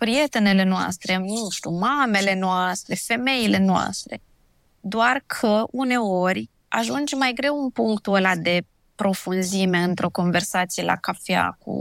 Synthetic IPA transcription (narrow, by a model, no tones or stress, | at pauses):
pɾije̞t̪e̞nele̞noa̰st̪ɾe̞mnuʃt̪umame̞le̞noast̪ɾe̞fe̞me̞ile̞noa̰st̪ɾe̞̰ | d̪oarkʰəune̞o̞rʲ | a̰ʒund͡ʒmːajɡɾe̞wunpuŋkt̪olad̪e̞ | pɾo̞funzime̞ɨnt̪ɾo̞ko̞nve̞rsat̪sije̞lʔa̰kafea̰kʰṵ